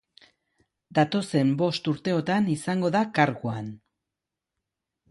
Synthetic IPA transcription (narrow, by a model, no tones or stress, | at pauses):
d̪at̪o̞se̞mbo̞st̪uɾt̪e̞o̞t̪anisaŋɡo̞ðakaɾɣuan